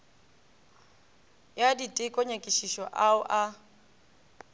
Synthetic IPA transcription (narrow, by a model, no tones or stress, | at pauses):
jaditʼɪkʼɔɲekʼiʃiʃɔʔaʊʔa